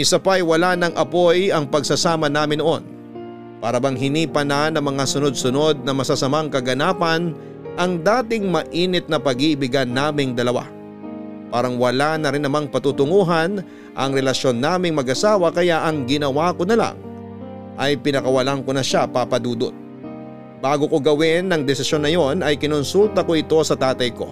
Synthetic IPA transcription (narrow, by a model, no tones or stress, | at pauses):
ʔɪsapaɐjwɐlanɐŋʔɐpo̞jɐŋpɐɡ̚sɐsaːmɐnaːmɪnoʔo̞n | paːɾɐbɐŋɦɪniːpɐnɐnɐŋmɐŋasʊno̞d̪̚sʊno̞d̪̚nɐmɐsasɐmaŋkɐɡɐnaːpɐn | ʔɐŋd̪aːt̪ɪŋmɐʔiːnɪt̪̚nɐpɐɡɪʔɪbɪɡɐnːaːmɪŋd̪ɐlɐwa̰ | paːɾɐŋwɐlanɐɾɪnːɐmaŋpɐt̪ut̪ʊŋuːɦɐn | ʔɐŋɾɛlɐʃjo̞nːaːmɪŋmɐɡʔɐsaːwɐkɐjaʔɐŋɡɪnɐwako̞nɐla̰ŋ | ʔɐjpɪnɐkɐwɐlaŋko̞nɐʃapapɐd̪uːd̪o̰t̪̚ | b̥aːɡokoɡɐwɪnːɐŋd̪ɛsɪsjo̞nːɐjo̞nɐjkɪnʊnsult̪ɐkoʔɪt̪o̞sɐt̪aːt̪ɐjko̞̰